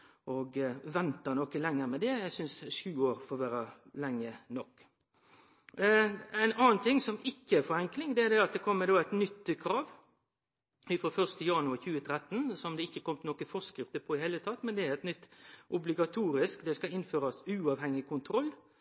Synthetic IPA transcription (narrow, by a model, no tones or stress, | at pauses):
ʔɔɡʋɛnt̪ɑnɔkəlɛŋːəɾmɛd̪ɛjæɪsʏnsʂʉːoːɾfɔːʋæːɾə | lɛŋːənɔkː | æɪnɑːnt̪ʰɪŋsɔmɪkːəæɾfɔɾɛŋklɪŋd̪ɛæɾd̪ɛɑt̪̚d̪ɛkʰɔmːəd̪oːæɪt̪nʏt̪ːkʰɾɑːʋ | ɪfɾoːfœʁst̪əjɑnʉɑçʉːət̪ʰɾɛt̪ːnsɔmd̪ɛɪçːəkʰɔmət̪nɔkəfɔskɾɪft̪əpʰɔɪheːlət̪ʰɑt̪ːmɛnd̪ɛæʁɛt̪nʏt̪ːʔʊblɪɡɑt̪ʰuːɾɪskd̪ɛskɑɪnføːɾɑsʉːɑʋhɛŋːɪkʰʊnt̪ʰɾɔlː